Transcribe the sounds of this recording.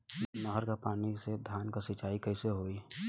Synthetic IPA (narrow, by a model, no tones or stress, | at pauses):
nəɦəɾkapaːnised̪ʱjaːnkasɪt͡ʃaːikəɪseɦoːi